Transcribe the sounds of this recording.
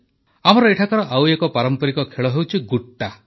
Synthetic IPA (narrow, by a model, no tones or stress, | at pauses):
amɔɾɔeʈʰakɔɾɔʔawekɔpaɾɔmpɔɾikɔkʰeɭɔɦewt͡ʃʰiɡuʈːa